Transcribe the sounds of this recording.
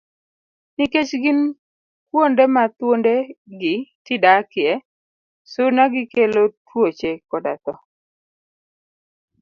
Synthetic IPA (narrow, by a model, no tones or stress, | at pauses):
nɪket͡ʃɡɪn | kwondemat̪wondeɡɪtɪdakɪɛ | sʊnaɡɪkelotwot͡ʃekɔda̰t̪ɔ